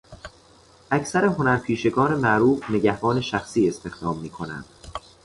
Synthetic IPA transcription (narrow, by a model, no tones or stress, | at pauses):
ʔæcʰsæɾe̞ɦo̞næɾpʰiːʃe̞ɡɒːnemæʔɾuːfne̞ɟæhbɒːne̞ʃæxsiːe̞st̪e̞xd̪̥ɒːmːiːkʰo̞næ̰nd̪̥